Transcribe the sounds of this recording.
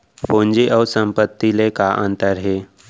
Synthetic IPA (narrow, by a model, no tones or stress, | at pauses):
põnd͡ʑiʔəsəmpət̪ːilekaʔənt̪əɾɦe